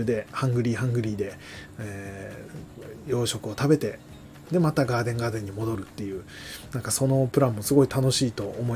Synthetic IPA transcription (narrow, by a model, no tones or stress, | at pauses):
ɯd̪e̞hãŋɡɯ̟ɾʲiːɦãŋɡɯ̟ɾʲiːd̪e̞ | eː | jo̞ːɕo̞kɯ̟o̞t̪abe̞t̪e̞ | d̪e̞mat̪aɡaːd̪ẽ̞ŋɡaːd̪ẽ̞ɲ̟ːimo̞d̪o̞ɾɯ̟t̪ːe̞jɯ̟ː | nãŋkaso̞no̞pɯ̟ɾãmːo̞sɨɡo̞it̪ano̞ɕiːt̪o̞ʔomo